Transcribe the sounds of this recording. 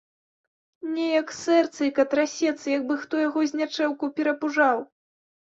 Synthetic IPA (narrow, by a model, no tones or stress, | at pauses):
nʲɛjɐksɛrt̪sɨjkɐt̪ɾasʲɛt̪sɨjɐɡ̚bɨxt̪ɔjaɣɔzʲnʲat͡ʂɛwkupʲɛɾɐpuʐaw